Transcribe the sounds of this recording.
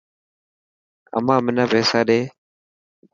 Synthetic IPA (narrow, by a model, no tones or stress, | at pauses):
ə̰mãːmɪnãːpeːsaːɗeː